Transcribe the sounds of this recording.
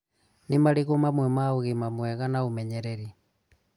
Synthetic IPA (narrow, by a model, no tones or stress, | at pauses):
nimaliɣomamwɛmaoɣemamwɛɣanaumɛɲɛɾɛɾi